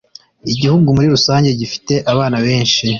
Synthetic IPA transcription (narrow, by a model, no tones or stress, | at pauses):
iɟihuɡumuɾiɾusaːɲɟe̞ɟifi̥te̞ʔaβaːnaβe̞ːnʃi